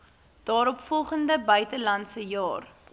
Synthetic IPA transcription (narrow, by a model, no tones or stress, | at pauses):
d̥ɑːɾɔpfɔlˠχəndəbœɥtəlɐntsəjɑːr